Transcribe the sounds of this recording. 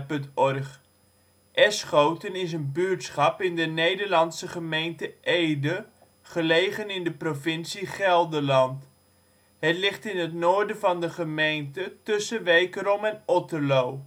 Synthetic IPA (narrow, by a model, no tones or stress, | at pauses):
pɵntɔrχ | ʔɛsχowtənɪs̬ənbyːɹtsχɑpɪndənejdəɹlɑnsəχəmejntəʔejdə | χəlejχənɪndəprofɪnsiχɛlˠdəɹlɑnt | hətlɪχtɪnɦətnoːɹdəvɑndəχəmejntətɵsəʋejkərɔmɛnɔtəlow